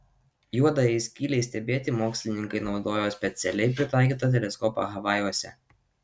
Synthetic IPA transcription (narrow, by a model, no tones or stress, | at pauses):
juɔd̪ɐjɛɪsʲkʲiːlʲɛɪsʲt̪ʲɛbʲeːt̪ʲɪmoːksʲlʲɪnʲɪŋkɐɪnɒʊd̪oːjoːsʲpʲɛt̪sʲɛlʲɛɪpʲɾʲɪt̪ɑˑɪkʲiːt̪ɐt̪̬ʲɛlʲɛskɔpɐ̰ɣɐʋɑjuːsʲɛ̰